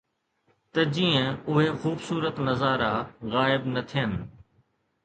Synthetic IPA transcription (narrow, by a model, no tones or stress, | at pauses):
t̪ɐd͡ʑiːə̃ʊɦexuːbsuːɾət̪nɐzaːɾaɣaːɪbnɐt̪ʰɪjənɪ̆